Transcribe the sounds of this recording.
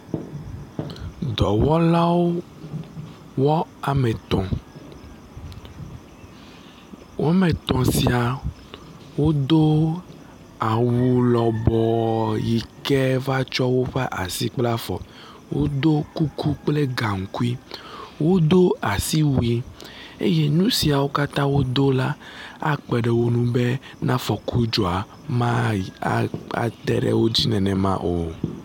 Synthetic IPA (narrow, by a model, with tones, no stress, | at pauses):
d̪ɔ˨wɔ˦la˦wo˦ | wɔ˦a˨mẽ˨t̪ɔ̃˨ | wʔo˦a˦mẽ˨t̪ɔ̃˨si˨a˨ | wo˦d̪o˦ | a˨wu˨lɔ˨bɔ˨ji˨kɛ˦va˦t͡ʃɔ˦wo˦ɸɛ˦ʔa̰˨si˦k͡pla˦fɔ̰˨ | wʔo̰˦d̪o˦ku˦ku˦k͡ple˦ɡa˨ŋ̩˨ku˦i˦wo˦d̪o˦a˨si˦wu˦i˦ḛ˦je˦nũ˦si˨a˨wo˦ka˦t̪ã˦wo˦d̪o˦la˦a˦k͡pɛ˨ɖɛ˨wo˦nũ˦be˦ | nã˦fɔ˨kʰu˦d͡ʒɔ˨a˨ | mã˦ | a̰˨t̪ɛ̰˨ɖɛ̰˦wo˦d͡ʑi˦nɛ̃˨nɛ̃˨mã̰˦ʔo˨